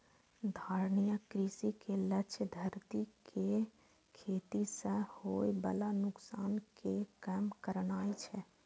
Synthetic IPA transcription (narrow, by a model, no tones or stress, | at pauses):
d̪ʱaːɾnijəkɾisikelətːt͡ʃʃʰəd̪ʱəɾt̪ikʰe | kʰeːt̪isə̃hojbə̰lanʊksaːnkekəmkəɾnaːit͡ʃʰɛ